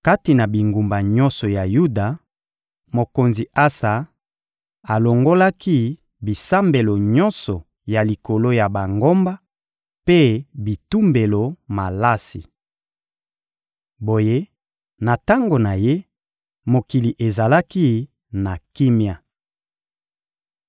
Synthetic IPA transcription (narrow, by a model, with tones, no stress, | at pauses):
ka˦ti˨na˨bi˨ŋɡu˨mba˨ɲɔ̃˦nsɔ˨ja˨ju˦da˨ | mo˨ko˨nzi˨ʔa˦sa˨ | a˨lo˨ŋɡo˦la˦ki˦ | bi˨sa˦mbe˨lo˨ɲɔ˦nsɔ˨ | ja˨li˨ko˨lo˦ja˨ba˨ŋɡo˦mba˦ | pe˦bi˨tu˦mbe˨lo˨ma˨la˦si˨ | bo˨je˦ | na˨ta˦ŋɡo˨na˨je˦ | mo˨ki˨li˨ʔe˨za˨la˦ki˦ | na˨ki˦mja˨